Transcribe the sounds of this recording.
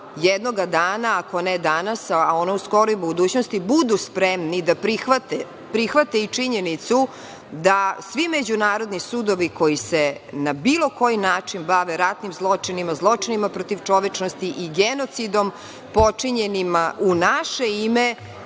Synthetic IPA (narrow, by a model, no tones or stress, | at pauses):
jed̪noɡad̪aːnaako̞ned̪anasao̞nɛusko̞ɾojbud̪uːt͡ɕnost̪ibud̪uspɾemnid̪apɾixʋat̪e | pɾixʋat̪eit͡ʂiɲenit̪su | d̪asʋimed͡ʑunaːɾo̞d̪nisud̪oʋiko̞jisenabiːlˠo̞ko̞jinaːt͡ʂinbaʋeɾat̪nimzlˠo̞t͡ʂinimazlˠo̞t͡ʂinimapɾot̪iʋt͡ʂo̞ʋet͡ʂnost̪iʔiɡeno̞t̪sid̪o̞m | pot͡ʂiɲenimaʔunaʃeime